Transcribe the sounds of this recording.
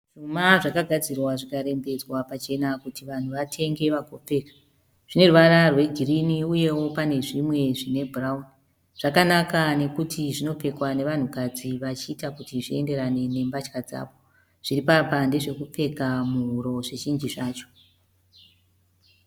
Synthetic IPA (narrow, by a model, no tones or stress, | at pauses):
ʐ̥umaʐakaɡʱad͡zirwaʐikaɾe̞mbe̞d͡zwapat͡ʃe̞nakutiʋan̤uʋatʰe̞ŋɡe̞ʋaɡʱop͡fe̞ːkḁ | ʐ̥ine̞ruʋararwe̞ɡʱiriniuje̞wo̞pane̞ʐimwe̞ʐine̞bʱurauni | ʐ̥akanakane̞kutʰiʐino̞pe̞kwane̞ʋan̤ukad͡ziʋat͡ʃiːtakutiʐie̞nde̞ɾane̞ne̞mbat͡ʃkad͡za̰ːʋo̞ | ʐ̥iɾipapande̞ʐe̞kup͡fe̞kamuɦuɾo̞ʐe̞t͡ʃind͡ʒiʐaːt͡ʃo̞̥